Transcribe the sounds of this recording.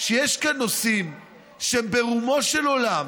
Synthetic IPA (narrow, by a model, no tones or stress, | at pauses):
ʃejeʃkanːo̞sim | ʃembe̞ʁumo̞ʃelo̞lam